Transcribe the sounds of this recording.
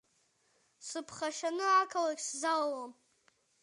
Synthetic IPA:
sɨpʰχaʃanɨʕakʰalaɡʲszallom

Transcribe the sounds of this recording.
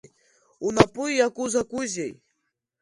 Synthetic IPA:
unapʼɨjjakuzakuzʲej

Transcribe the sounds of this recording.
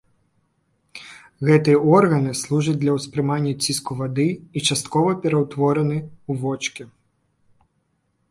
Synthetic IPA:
ɣɛt̪ɨjɐɔrɣɐnɨslˠuʐɐt͡s̚ʲd̪lʲɐwspɾɨmanʲːɐt͡sʲiskuvad̪ɨit͡ʂast̪kɔvɐpʲɛɾɐwt̪ʋɔɾɐnɨuvɔt͡ʂkʲi

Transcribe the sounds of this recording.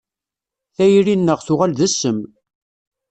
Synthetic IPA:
θæjɾinːəʁθʊʁælðæsːəm

